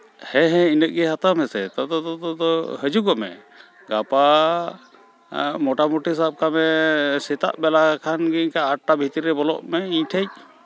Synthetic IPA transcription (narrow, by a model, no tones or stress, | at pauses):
hɛ̃ɦɛ̃inəʔ̚ˀɡɛɦat̪amɛsɛt̪ɔd̪ɔt̪ɔt̪ɔd̪ɔhəd͡ʒuɡɔmɛ̰ | ɡapa | mɔʈamuʈisap̚kamɛsɛt̪a̰ʔbɛlakʰanɡikaːʈ̚ʈabʱit̪əɾiɾɛbɔlɔ̰ʔmɛiɲʈʰəc̚